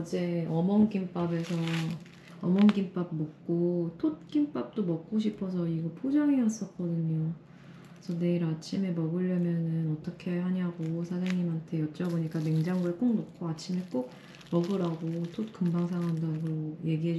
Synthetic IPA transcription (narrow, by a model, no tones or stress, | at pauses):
d͡ʑeʌmʌnɡimp͈abe̞sʰʌ | ʌmʌnɡimp͈ab̚mʌk̚k͈otʰot̚k͈imp͈ap̚t͈omʌk̚k͈oɕ̬ʰipʰʌs̬ʰʌiɡʌpʰod͡ʑʌŋias͈ʌk͈ʌdɯɲo | sʰʌne̞iɾat͡ɕʰimemʌɡɯʎːʌmjʌnɯnʌt͈ʌkʰe̞ɦaɲaɡosʰad͡ʑaŋɲimɦantʰe̞jʌt͡ɕ͈ʌboɲik͈ame̞ŋd͡ʑaŋɡoek͈ok̚nokʰoat͡ɕʰimek͈ok̚ | mʌɡɯɾaɡotʰot̚k͈ɯmbaŋsʰaŋɦandaɡoje̞ɡiɦe̞